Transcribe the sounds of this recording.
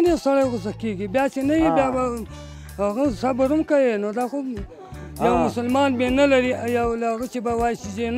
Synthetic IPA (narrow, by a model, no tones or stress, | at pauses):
desaɽajɣʊzakkeɡibjɑt͡ʃenajibjɑba | aɣasabaɾumkawenod̪axo | jawmʊsəlmɑːnbenalaɾijawlaɣat͡ʃebawɑjisizen